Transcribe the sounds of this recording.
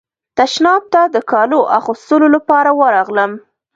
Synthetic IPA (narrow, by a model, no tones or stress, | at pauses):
t̪aʃnɑb̚t̪ad̪əkɑloʔaxust̪əlolapɑɾawəɾɑɣləm